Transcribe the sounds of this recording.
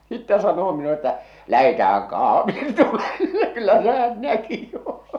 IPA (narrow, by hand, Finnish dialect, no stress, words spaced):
sitːæ sɑnoː minule tːæ læhetæːhæŋ kɑhʋiː tulelːe kylːæ se̥ hæn næki jo